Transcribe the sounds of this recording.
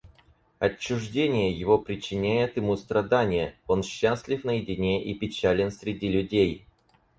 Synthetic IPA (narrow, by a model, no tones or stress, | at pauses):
ɐt͡ɕːʊʐdʲenʲɪjəjɪvo̞pɾʲɪt͡ɕːɪnʲæjɪt̪ɪmust̪ɾɐd̪anʲɪjəo̞nɕːasʲlʲɪfnəjɪdʲɪnʲeʔipʲɪt͡ɕælʲɪnsʲɾʲɪdʲilʲʊdʲej